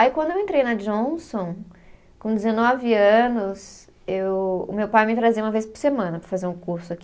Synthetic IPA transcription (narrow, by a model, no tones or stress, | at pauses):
ikwɐ̃nd̪ʊewẽnt̪ɾejnɐd͡ʒõsõ | kõd͡ʒ̪ɪzenɔvɪɐ̃nʊs | ewʊ̰mewpajmɪt̪ɾaziɐ̃mɐvejspʊɾsemɐ̃nɐpɾɐfazeɾũkuɾsʊak